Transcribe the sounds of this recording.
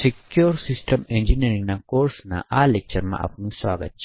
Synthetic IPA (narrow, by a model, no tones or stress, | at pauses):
sekjoːɾsɪsʈəmẽnd͡ʒiniɾɪ̃ŋɡnakoːɾsna̰ʔaːlek̚t͡ʃəɾmã̰ʔɐ̰pnuswa̰ːɡə̰t̪̚t͡ʃʰi